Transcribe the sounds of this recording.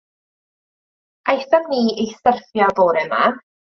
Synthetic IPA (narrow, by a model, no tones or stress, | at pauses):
ajθaniːejsərfjɔboːɾɛma̰